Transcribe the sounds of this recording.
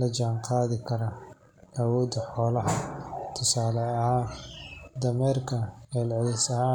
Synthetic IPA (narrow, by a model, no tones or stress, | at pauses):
lɐd͡ʒaːŋqɑːðɪkʰɐɾɐ | ʔɐwɔːd̪ɐħɔːlɐɦɐt̪ʰʊsaːlɛɐɦaː | d̪ɐmɛːrkʰɐɛːlʕɪlɪsɐɦaː